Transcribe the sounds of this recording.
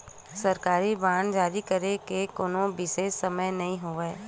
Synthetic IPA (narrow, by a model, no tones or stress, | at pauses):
sɐɾkaːɾibaːnd͡ʒaːɾikɐɾekekoːnobɪʃeːsːɐməjnɐɦĩɦoːeː